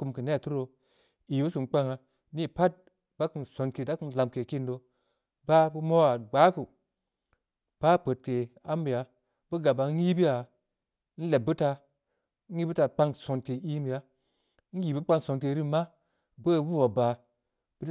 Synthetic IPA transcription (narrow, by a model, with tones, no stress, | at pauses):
ku˧mki˨ne˦˨tu˦ɾo˧ | i˨bu˦su˨n˦k͡pa˧ŋa˧ | ni˦pa˦t̚ | ba˦ki˨nso˨nke˨da˦ki˦˨n˨la˨mke˨ki˦ndo˧ | ba˦bu˦mo˦a˨ɡ͡ba˨˦ku˨ | pa˦pə˨t̚ke˨a˦mbi˨ja˨ | bə˦ɡa˨ba˨˦i˦bi˦ja˨˦ | n̩˦le˨bɨ˦ta˧˦ | ji˦bu˦ta˧k͡pa˧ŋso˨nte˨i˦mi˨ja˨˦ | ji˨bu˦k͡pa˧ŋso˨nte˨ɾi˦ma˦ | bə˦˨bu˦bo˨ba˨ | b̥u˦